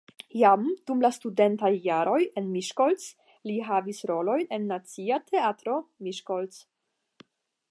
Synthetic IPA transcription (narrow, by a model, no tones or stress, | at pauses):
jamd̥umlastude̞ntajːaɾʔo̞je̞nmiʃkols | liɦavisɾo̞lo̞jne̞nːat͡siatʰe̞atɾo̞miʃkols